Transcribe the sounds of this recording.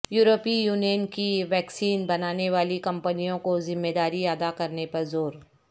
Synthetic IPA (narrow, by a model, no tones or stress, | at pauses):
juːɾoːpijuːnijənkiʋɛːksiːnbɐnaːneʋaːlikɐ̃mpənijõkozɪmːeːd̪aːɾiɐd̪akɐɾnepɐɾzoːɾ